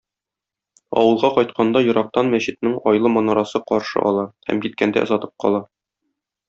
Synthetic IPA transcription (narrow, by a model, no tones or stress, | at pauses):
ɒ̰wɤ̆lˠʁɑqɒjt̪̚qɑnd̪ɑjŏɾɑq̚t̪ɑnmæɕɘ̆t̪̚nɘɴɒjlˠɤmɒnɑɾɑsɤqɒɾʃɤ̰ʔɒ̰lˠɑhæ̰mkit̪̚kænd̪æ̰ʔŏ̰zɑt̪ɤ̥p̚qɒ̰lˠɑ